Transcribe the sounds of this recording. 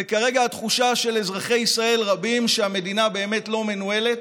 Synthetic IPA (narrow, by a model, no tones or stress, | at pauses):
ekaʁe̞ɡaat̪χuʃaʃe̞lezʁaχejisʁae̞lʁabimʃeame̞d̪inabe̞ːme̞tlo̞me̞nue̞let